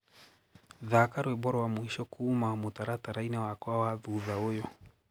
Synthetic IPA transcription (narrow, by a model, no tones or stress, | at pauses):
ðakaɾwɛbɔɾɔwamuiʃɔkuːmaamutaɾataɾainawakɔawaðuðaɔjɔ